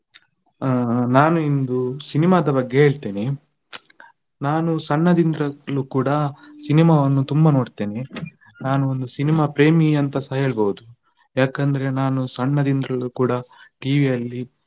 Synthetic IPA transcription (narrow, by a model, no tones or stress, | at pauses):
naːnuind̪usinimaːd̪ɐbɐɡːe̞ɦeːɭt̪e̞ːne | naːnusɐɳːɐd̪ind̪ɾɐlukuːɽɐsinimaːʋɐnːut̪umbɐnoːɽt̪e̞ːne̞ | naːnuond̪usinimaːpɾe̞ːmiɐnt̪ɐsɐɦe̞ːɭbɐwud̪u | jaːkɐnd̪ɐɾe̞naːnusɐɳːɐd̪ind̪ɾɐɭukuːɽɐʈiːʋijɐlːi